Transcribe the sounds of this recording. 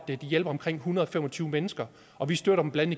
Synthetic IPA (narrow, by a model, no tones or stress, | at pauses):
d̥d̥ijel̰b̥ɐɒ̽mkʰʁeŋ̰ɦunɐðˠɒfemɒt͡sʰyːʊmenəsɡ̥ɐ | ʔɒ̽ʋisd̥øɐɾɐdm̩blæn̰ə